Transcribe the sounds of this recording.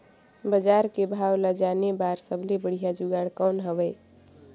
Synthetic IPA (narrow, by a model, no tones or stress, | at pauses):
bəd͡ʒaɾkebʱawlad͡ʒanebaɾsəbʱlebəɽ̤ijad͡ʒuɡaɽkɔwnɦəbɛ